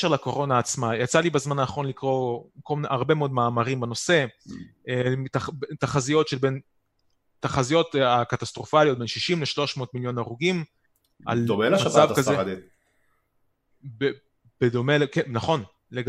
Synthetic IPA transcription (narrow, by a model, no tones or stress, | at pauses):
ʃeʁlako̞ʁo̞naːt͡smajat͡salibazmananaχo̞nlikʁo̞kolmneʔaʁbe̞meo̞d̪̚maːmaʁimbano̞se̞ | etabetaχazijo̞tʃelbe̞n | taχazijo̞takat̪ast̪ʁo̞falijo̞t̚be̞nʃiʃimleʃlo̞ʃmo̞ːtmiljo̞naʁuɡim | ʔa̰ld̪omelaʃmaat͡savkazed̪e | be | b̥ed̪o̞melkenaχo̞n | leɡ